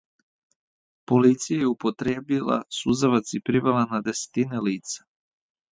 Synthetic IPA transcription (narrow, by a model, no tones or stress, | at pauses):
polit̪sijajɛupot̪ɾeːbilˠa̰suzaʋat̪sipɾivɛlˠanad̪ɛse̥t̪inɛliːt̪sḁ